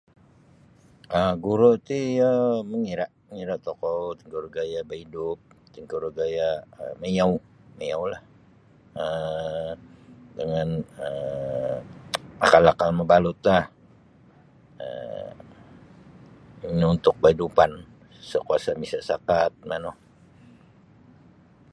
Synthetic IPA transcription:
ʔəɡuɾot̪ijaməŋiɾaʔəŋiɾaʔt̪okɔwt̪iŋkuɾuɡajabəidʊp̚ | t̪iŋkuɾuɡajaəməjaw | məjawlah | ə | dəŋanə | a̰kalakalməbalʊt̪lah | ə̰ | niunt̪ʊk̚bəidupan | səkuasamisaʔsakat̪̚manoh

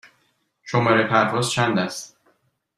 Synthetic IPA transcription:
ʃomɒːɾepʰæɾvɒːzt͡ʃʰænd̪æst̪

